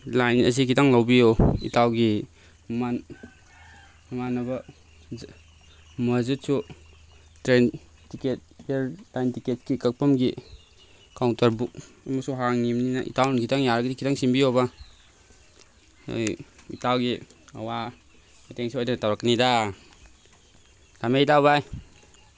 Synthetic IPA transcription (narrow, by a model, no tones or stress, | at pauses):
lajnɐsikʰitaŋlawbijoḭtawɡi | man | manɐba | mɐzut̚su | tɾen | tiket̚eɾlajntiket̚kikək̚pamɡi | kawntɐɾbuk̚ɐmɐsuɦaŋnimninaʔḭtawnnkʰitaŋjaɾaɡidikʰitaŋsimbijoba | jḭtawɡiawa | mateŋsuojdatawɾaknida | lameitawbaj